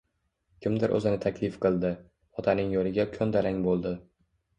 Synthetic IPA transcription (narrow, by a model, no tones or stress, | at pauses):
kʲʰɪmd̪ɪɾʔɵ̰zɪnɪt̪ʰakʲʰlɪfqɨlˠd̪ɪ | ɒt̪ʰanɪŋjolɪɡʲakʲʰɵnd̪aɾaŋbolˠd̪ɪ